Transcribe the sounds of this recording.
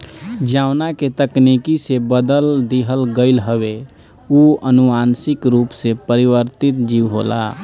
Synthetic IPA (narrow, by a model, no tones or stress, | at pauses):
d͡ʒaʊnaket̪əknikisebəd̪əld̪iɦəlɡəɪlɦəwe | uənuansɪkɾupsepəɾibəɾt̪it̪d͡ʒiwɦo̰la̰